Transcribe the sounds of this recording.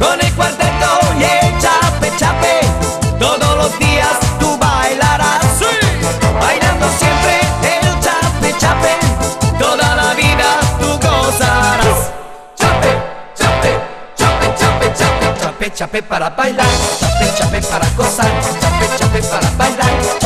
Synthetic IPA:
konilkwart̪ɛt̪ːojet͡ʃapːet͡ʃːapːed̪od̪olod̪iːat̪ubajlaɾasupajnand̪osjɛmpɾeelt͡ʃapet͡ʃːapːed̪od̪alaviːt̪at̪ukɔsaɾa | t͡ʃapːe | t͡ʃape | t͡ʃapːet͡ʃapet͡ʃaat͡ʃapːet͡ʃːapːepːaɾabajlat͡ʃapet͡ʃapepːaɾakːɔsat͡ʃapːet͡ʃapːepːaɾabajla

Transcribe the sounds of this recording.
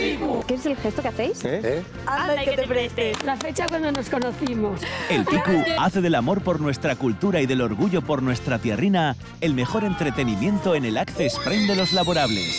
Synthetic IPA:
ukeeselxest̪okeaθe̞js | aaet̪epɾet̪elafet͡ʃakwand̪onosko̞noθimose̞lpikuaθe̞ðe̞lamo̞ɾpo̞ɾnwe̞st̪ɾakult̪uɾaiðe̞lo̞ɾɣuʝo̞po̞ɾnwe̞st̪ɾat̪jerina | e̞lme̞xo̞ɾe̞nt̪ɾe̞t̪e̞nimjẽ̞nt̪o̞ene̞lakθespɾend̪e̞lo̞zlaβo̞ɾaβle̞̰s

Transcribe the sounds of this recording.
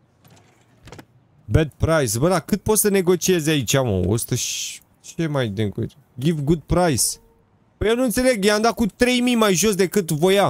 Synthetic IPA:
bed̪̚pɾajsbəd̪akɨt̪̚po̞t̪səne̞ɡo̞t͡ʃie̞zait͡ʃamo̰o̰st̪əʃ | t͡ʃemajneɡo̰ | ɡʲivɡud̪̚pɾajs | bəjewnunt̪se̞le̞ɡjand̪akut̪ɾe̞jmijmajʒo̞sd̪e̞kɨt̪vo̞ja

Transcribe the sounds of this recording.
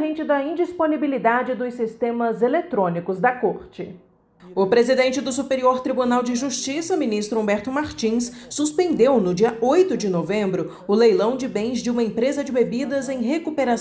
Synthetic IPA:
ɦẽnt͡ʃɪd̪ɐĩnd͡ʒisponibilid̪ad͡ʒɪd̪ʊsist̪ẽmɐzelet̪ɾõnikʊzd̪ɐkoɾt͡ʃɪ | ʊpɾezid̪ẽnt͡ʃɪd̪ʊsupeɾioɾt̪ɾibunawd͡ʒɪʒust͡ʃisɐmĩnist̪ɾʊũbɛɾt̪ʊmaɾt͡ʃĩsːuspẽnd̪ewnʊd͡ʒiɐojt̪ʊd͡ʒɪnovẽmbɾʊ | ʊlejlɐ̃w̃d͡ʒɪbẽj̃zd͡ʒɪũmɐẽpɾezɐd͡ʒɪbebid̪ɐzẽj̃ɦekupeɾa

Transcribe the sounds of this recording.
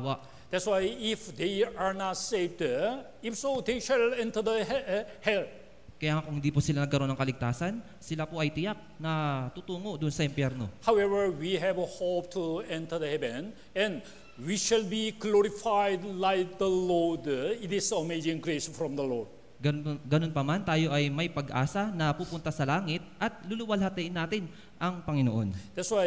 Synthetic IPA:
awa | d̪̥ɛtswajɪfd̪eaɹnatsevd | ɪfsod̪ejʃɛlɛ̃nt̪ə˞d̪əhɛl | kɐjaːŋɐkʊŋhɪnd̪ipʊsɪlanɐɡ̚kɐɾo̞nɐŋkɐlɪɡ̚t̪aːsɐn | sɪlapoʔɐjt̪ɪjak̚nɐt̪ut̪uːŋo̞d̪ʊnsɐɪmpjɛɾno̞̰hawɛvəɹwiɦɛvəhop̚tʰuɛ̃ntʰə˞d̪əhɛvɛ̃n | ɛ̃n | wiʃɛlbiɡloɾifajdlajk̚d̪əloditisomed͡ʒĩŋɡɹesfɾɔ̃md̪əlɔɹd | ɡɐɡɐno̞npɐmant̪aːjo̞ʔɐjmɐjpɐɡʔa̰ːsɐnɐpupʊnt̪ɐsɐlaːŋɪt̪̚ʔɐt̪̚luluwɐlhɐt̪ɛʔɪnːaːt̪ɪn | ʔɐŋpɐŋɪno̰ʔo̞nd̪ɛtswa

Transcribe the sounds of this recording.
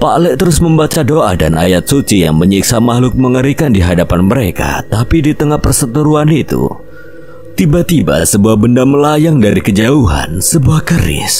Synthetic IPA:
palɛt̪əɾʊsməmbat͡ʃadoʔa̰da̰nʔa̰jat̪̚sut͡ʃija̰ŋməɲiksamahlʊk̚məŋəɾikandiɦadapanməɾeka̰t̪apidit̪əŋahpərsət̪əɾuanit̪ṵ | t̪ibat̪iba̰səbuahbəndaməlajaŋdaɾikəd͡ʒauɦa̰nsəbuahkəɾɪ̰s

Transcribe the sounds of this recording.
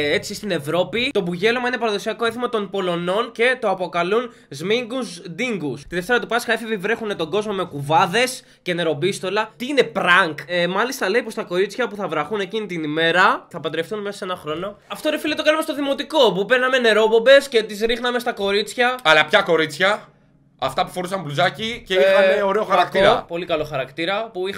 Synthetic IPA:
e̞t͡sist̪ine̞vɾo̞pit̪o̞buʝe̞lomɐinepɐɾɐðo̞siɐko̞eθimɐt̪o̞npo̞lo̞no̞nce̞t̪o̞ɐpo̞kɐlun | zmiŋɡuzd̪iŋɡust̪iðe̞ft̪e̞ɾɐt̪upɐsxɐefivivɾe̞xunet̪o̞ɡo̞zmo̞me̞kuvɐðe̞s | ce̞ne̞ɾo̞bist̪o̞lɐt̪iine̞pɾɐŋkmɐlist̪ɐlejpost̪ɐko̞ɾit͡sçɐpuθɐvɾɐxune̞cinit̪inime̞ɾɐθɐpɐd̪ɾefθunmesɐ̥se̞nɐxɾo̞no̞ɐft̪oɾefilit̪o̞kɐnumest̪oðimo̞t̪iko̞pupe̞ɾnɐme̞ne̞ɾo̞bo̞be̞sce̞t̪izɾixnɐme̞st̪ɐko̞ɾit͡sçɐɐlɐpçɐko̞ɾit͡sçɐ | ɐft̪ɐpu̥fo̞ɾusɐmbluzɐciceiɐneoɾe̞oxɐɾɐkt̪iɾɐpo̞likɐlo̞xɐɾɐkt̪iɾɐpui

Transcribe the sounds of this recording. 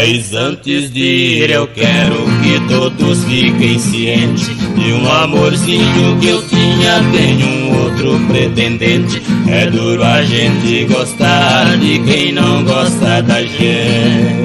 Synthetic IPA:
jzɐ̃nt̪ɪzd̪ɪɾewkɛɾʊkɪt̪od̪ʊsfikẽj̃siẽt͡ʃɪɪũamoɾsĩɲʊkɪewt̪ĩɲɐt̪ẽɲũowt̪ɾʊpɾet̪ẽnd̪ẽnt͡ʃɪɛd̪uɾʊaʒẽnt̪ɪɡost̪aɾd̪ɪkẽj̃nɐ̃w̃ɡɔst̪ɐd̪ɐʒẽ

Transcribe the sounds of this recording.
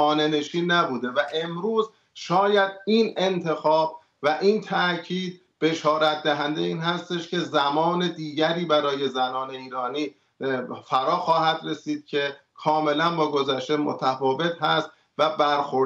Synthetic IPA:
ɒːne̞ne̞ʃiːnːæbuːd̪e̞væʔe̞mɾuːz | ʃɒːjæd̪ine̞nt̪ʰe̞xɒːb | væʔiːnt̪ʰæʔcʰiːd̪̚ | b̥e̞ʃɒːɾæt̪̚ʰd̪æɦænd̪eiːnɦæst̪e̞ʃcʰe̞zæmɒːne̞d̪iːɟæɾiːbæɾɒːje̞zænɒːne̞iːɾɒːniː | fæɾɒːxɒːhæd̪re̞siːd̪̥̚cʰe̞kʰɒːme̞lænbɒːɡo̞zæʃt̪e̞mo̰t̪ʰæfɒːve̞t̪hæst̪ | væbæɾxo

